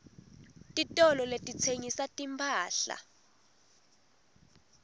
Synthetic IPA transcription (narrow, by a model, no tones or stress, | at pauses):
tʼitʼɔlɔletʼit͡sʰeŋisatʼimpʰʼaːɬa̰